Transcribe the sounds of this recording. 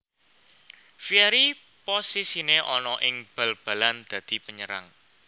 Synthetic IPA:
fiaɾi | posisineʔɔnɔʔɪŋb̥a̤lb̥ä̤land̪̥ä̤d̪̥i̤pəɲəɾa̰ŋ

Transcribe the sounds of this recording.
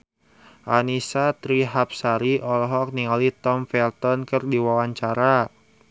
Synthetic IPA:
ʔanisat̪ɾiɦap̚saɾiʔɔlɔɦɔk̚niŋalit̪ɔmfɛlt̪ɔnkɨrdiwawaɲt͡ʃaɾa

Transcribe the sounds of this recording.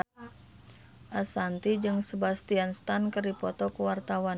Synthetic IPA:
ʔasant̪id͡ʒɨŋsəbast̪ianst̪ankəripɔt̪ɔkuwart̪awan

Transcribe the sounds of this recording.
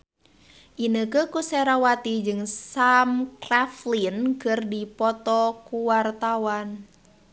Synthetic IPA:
ʔinəkəkusɛɾawat̪id͡ʒɨŋsamkraflinkɨrdipɔt̪ɔkuwart̪awan

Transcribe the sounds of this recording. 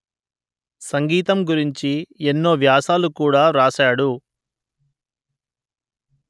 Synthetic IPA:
sɐŋɡiːt̪ɐmɡuɾiɲt͡ʃienːo̞ːʋjaːsaːlukuːɽaːɾaːʃaːɽu

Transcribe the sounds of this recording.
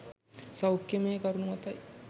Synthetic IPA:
sɐwkjemeːkɐɾunuʋɐt̪ɐ

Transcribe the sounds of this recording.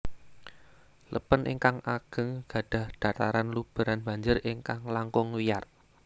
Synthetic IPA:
lʔə̰pənʔḭŋkaŋʔaɡ̥ə̤ŋɡ̥a̤ɖ̥ä̤hd̪̥a̤t̪aɾanlub̥ə̤ɾanb̥a̤ɲd͡ʒʊriŋkaŋlaŋkʊŋwijar

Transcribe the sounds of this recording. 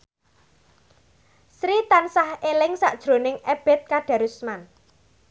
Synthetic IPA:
sɾit̪ansahelɪŋsaʔd̥ʒ̥ɾo̤nɪŋeb̥ɛ̤t̪̚kaɖ̥a̤ɾusman

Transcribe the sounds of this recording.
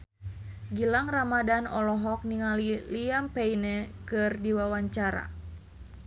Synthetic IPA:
ɡilaŋramadanɔlɔɦɔk̚niŋaliliampeinɛkɨrdiwawaɲt͡ʃaɾa̰

